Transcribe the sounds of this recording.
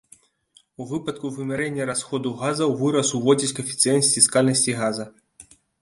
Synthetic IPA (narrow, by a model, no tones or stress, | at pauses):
uvɨpɐt̪̚kuvɨmʲɛɾɛnʲːɐɾasxɔd̪uɣazɐwvɨɾɐsuvɔd͡zʲit͡sʲkɐfʲit̪sɨjnɐsʲfʲiskalʲnɐsʲt͡sʲiɣazɐ